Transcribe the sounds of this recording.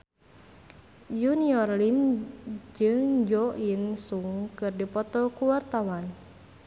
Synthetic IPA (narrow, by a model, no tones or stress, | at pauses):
juniɔrlim | d͡ʒɨŋd͡ʒɔʔinsuŋkɨrdipɔt̪ɔkuwart̪awan